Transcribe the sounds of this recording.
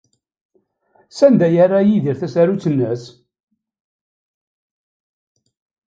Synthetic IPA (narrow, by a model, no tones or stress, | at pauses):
sænd̪æjarːajiðiɾθæsæɾut͡sːənːəs